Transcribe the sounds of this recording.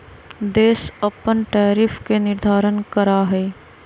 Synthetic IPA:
d̪eːsəpənʈɛːɾɪfʰkenɪɾd̪ʱaːɾənkəɾaɦɛː

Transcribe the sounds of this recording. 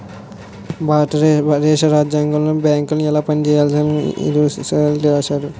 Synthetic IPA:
baːʈɐɾɾɛːʃɐɾaːd͡ʒjaːŋɡɐlːobjaːŋkulnɛlaːpɐnit͡ʃɛːjaːlsinḭd̪uslt̪iʋaʃaːɾu

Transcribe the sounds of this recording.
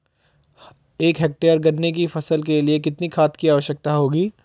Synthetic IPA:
eːkɦeːk̚ʈeːəɾɡɐɾnek̬ifɐsəlk̬eliekɪt̪nikʰaːt̪kiaːʋəʃjək̚t̪aɦoːɡiː

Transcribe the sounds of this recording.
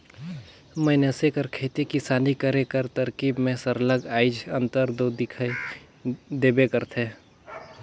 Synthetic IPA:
mənəsekəɾkʰeːt̪ikisaːlikəɾekəɾt̪əɾkiːbmẽsəɾləɡaːɪd͡ʒə̃nt̪əɾd̪od̪ɪkʰ | d̪eːbekəɾt̪ʰẽ

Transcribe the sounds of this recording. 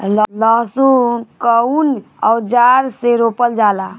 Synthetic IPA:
llɔɦsukəun | ɔwd͡ʒaɾseɾopəld͡ʒala

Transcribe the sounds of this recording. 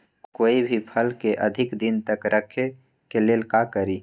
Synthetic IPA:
koːibʱipʰəlkeʔəd̪ʱɪkd̪ɪnt̪əkɾʔəkʰːe | keleːlkakəɾi

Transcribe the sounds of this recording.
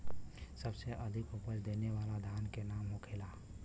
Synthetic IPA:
səbseʔəd̪ʱɪkʊpət͡ʃd̪eːneʋaːlad̪ʱaːnkenaːmɦokʰeːlaː

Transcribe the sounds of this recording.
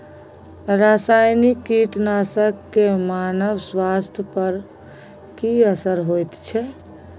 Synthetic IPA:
ɾasajnikːiʈnasəkːemanəʋswast̪ʰjəpəɾ | kiəsəɾɦojt̪t͡ʃʰɛ

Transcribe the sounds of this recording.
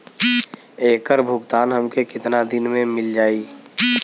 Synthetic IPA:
eːkəɾbʱʊɡt̪aːnɦɐmkekɪt̪nad̪ɪnmẽmɪld͡ʒaːiː

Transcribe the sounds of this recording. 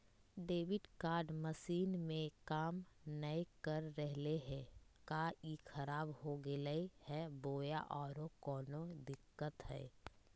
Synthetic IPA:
ɖeːʋɪɖkaːɾɖməsiːnmẽkaːmnəekəɾːɛɦleɦɛːkaikʰɐɾaːbɦoɡeləihɛboːjaʔɔːɾokɔːnod̪ɪkːət̪ɦɛ̰ː

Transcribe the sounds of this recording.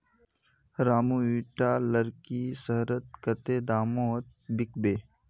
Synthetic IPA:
ɾaːmuiːʈaːləɾkisəɦɾət̪̚kɐt̪eːd̪aːmot̪̚bɪk̚beː

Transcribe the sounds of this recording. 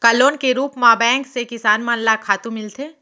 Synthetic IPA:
kaloːnkeɾuːpmãːbɛ̃ːŋksekɪsaːnmãnlakʰaːt̪ũmɪlt̪ʰeː

